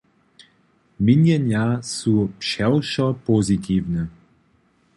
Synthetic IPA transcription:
minjɛnjasupʃɛwʃɔpozit̪ʰiːwnɛ

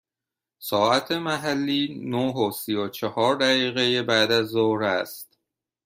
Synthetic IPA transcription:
sɒːʔæt̪ʰemæɦælːiːnoɦosijot͡ʃʰehɒːɾd̪æɣiːɣejebæd̪æzːoɾæst̪

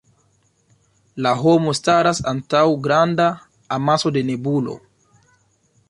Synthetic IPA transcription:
laɦomustaɾasantawɡɾandaː | maso̞de̞nebulo̰

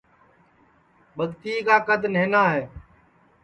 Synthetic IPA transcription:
ɓəɠt̪iːkaːkəd̪neːnaːɦɛː

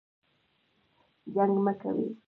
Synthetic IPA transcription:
ʎaŋmaka̰wɪ̰

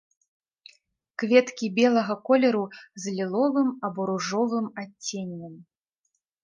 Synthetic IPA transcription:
kvʲɛt̪kʲibʲɛlˠɐɣɐkɔlʲɛɾuzʲlʲilˠɔvɨmɐbɔɾuʐɔvɨmat͡st͡sʲːenʲːɛm

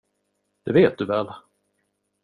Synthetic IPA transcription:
d̪̥ɛveːt̪̚d̪ɵvɛːl

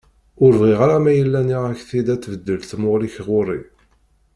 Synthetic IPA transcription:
ʊɾvʁiʁaɾamæjəlːæniʁæçθid̪æt͡sːvəd̪ːəlθmʊʁliçʁʊɾˤi

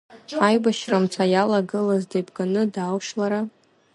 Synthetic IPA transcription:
ajbaʃramt͡sʷʰajalaɡɨlazdejbʰɡʼanɨdawʃlaɾa

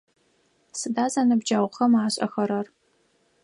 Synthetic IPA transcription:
sɨdaːzanɨbd͡ʒaːwʷχɐmaːɕʼɐ̰xɐɾɐr

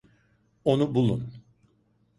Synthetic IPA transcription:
onubulˠṵn

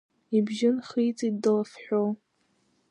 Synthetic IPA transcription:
ibʒɪnχijt͡sʼidːɨlafħʷᶣo

